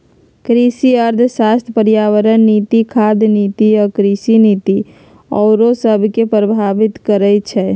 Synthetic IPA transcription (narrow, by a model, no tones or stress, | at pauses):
kɾisiəɾd̪ʱsast̪ʰəpəɾjaʋəɾənːit̪ikʰad̪niːt̪iɔkɾisiniːt̪i | ɔːɾosəbʱkepɾəbʱaʋɪt̪kəɾɛt͡ʃʰɛ